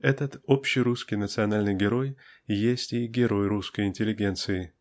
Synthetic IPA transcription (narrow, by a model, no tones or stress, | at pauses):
ɛt̪ət̪opɕːɪjɾuskʲɪjnət̪sɨɐnalʲnɨjɡʲɪɾo̞jjesʲtʲɪɡʲɪɾo̞jɾuskəjɪnʲtʲɪlʲɪɡʲe̞nt̪sɨɪ